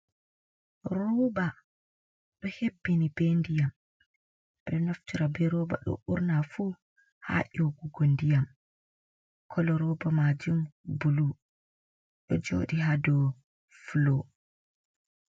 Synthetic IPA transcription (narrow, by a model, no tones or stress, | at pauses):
ɾuba | ɗɔhebːinibendijam | ɗɔnoftiɾabɛɾɔba̰ɗɔ̰ʔuɾnafuː | ha̰ʔɔɡuɡondijam | kʰɔlɔɾɔbamad͡ʒumbulu | ɗɔd͡ʒo̰ːɗiɦadɔ | flo